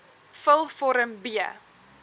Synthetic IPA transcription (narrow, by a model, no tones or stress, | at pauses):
fəlˠfɔɾəmbiə̰